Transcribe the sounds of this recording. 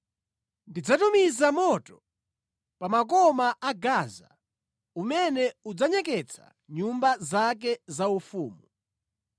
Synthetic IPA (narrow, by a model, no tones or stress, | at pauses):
ndid͡zatumizamɔtɔ | pamak̬ɔmaaɡaza̰ | umɛnɛud͡zaɲɛk̬ɛt͡sʰa̰ | ɲumbazak̬ɛzaufuːmu